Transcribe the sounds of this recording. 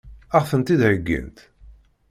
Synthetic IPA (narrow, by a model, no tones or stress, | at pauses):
aʁfənt̪id̪ʕəɡːḭnt̪